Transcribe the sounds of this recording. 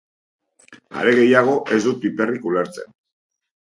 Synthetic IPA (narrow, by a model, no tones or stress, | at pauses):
a̰ɾe̞ɣe̞jaɣ̞o̞ʔe̞zd̪ut̪ipe̞rikule̞ɾt͡se̞̰n